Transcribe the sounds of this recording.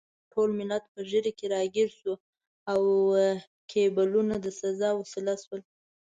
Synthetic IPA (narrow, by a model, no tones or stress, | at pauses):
ʈʰolmɪlat̪̚pəʒəɾekeɾɑɡiɾsu | aw | kʰebalunad̪əsazɑwasɪlaswəl